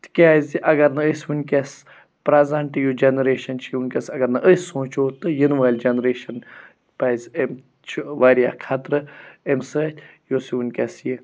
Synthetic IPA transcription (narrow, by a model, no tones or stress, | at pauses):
t̪ʰkʲaːzʲiʔɐɡɐɾnɐəsʋunʲkʲes | pɾɐzɐɳʈjod͡ʒenɾeːʃɐnt͡ʃʰiunʲkʲɐsɐɡɐɾnɐʔəsõːt͡ʃoːt̪ɨjinʋaːlʲd͡ʒɐnɾeːʃɐn | paːjzʲem | t͡ʃʰʋaːɾja̰ːkʰat̪ɾɨemsət̪ʰʲjosiʋunʲkʲɐsji